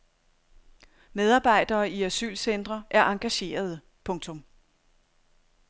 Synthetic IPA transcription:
með̞ˠɑ̈ːb̥ɑ̈ɪ̰d̥ɐːiæsy̰ːlsend̥ʁɐʔæɐʔɑ̈ŋɡ̥æɕe̝̰ːɐð̞ˠə | pʰɔ̽ŋt͡sʰɔ̽m

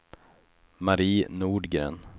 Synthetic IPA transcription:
maɾiːnuːɖɡɾḛːn

